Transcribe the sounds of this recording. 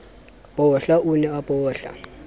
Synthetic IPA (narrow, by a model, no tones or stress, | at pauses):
pʼɔɬaʔunɛapʼɔːɬa̰